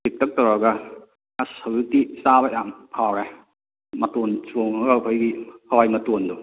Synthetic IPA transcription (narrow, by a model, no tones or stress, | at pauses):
sik̚tʰɐk̚tɐwɾaɡɐ | asɐwjutisabɐjamhʰawɾe | mɐtonsoŋɐɡɐkʰojɡihɐwajmɐtondu